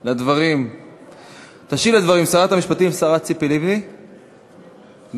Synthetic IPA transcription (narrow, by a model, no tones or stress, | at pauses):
lad̪vaʁim | t̪aʃivlad̪vaʁimsaʁat̪amiʃpat̪imsaʁat̪t͡sipilivni